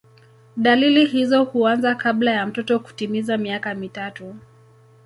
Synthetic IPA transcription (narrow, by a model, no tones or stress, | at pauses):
ɗalilihizɔhuanzakablajam̩tɔtɔku̥timizamiakamitatu